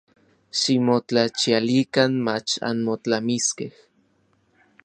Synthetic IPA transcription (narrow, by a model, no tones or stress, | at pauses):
ʃimot͡ɬat͡ʃialikanmat͡ʃa̰nmot͡ɬamiskeh